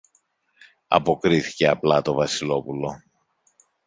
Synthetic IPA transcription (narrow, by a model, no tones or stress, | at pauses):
ɐ̰po̞kɾiθi̥ce̞ɐplɐt̪o̞vɐsilo̞pulo̞